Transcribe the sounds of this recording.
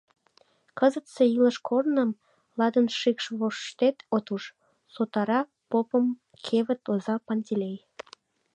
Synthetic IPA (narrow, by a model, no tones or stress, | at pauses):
kəzət̪seiləʃkʰornəm | lɑd̪ənʃikʃβoʃt̪et̪ot̪uʃ | sot̪ɑɾɑ | popəm | kʰeβə̆t̪ozɑpɑnʲt̪ʲilʲej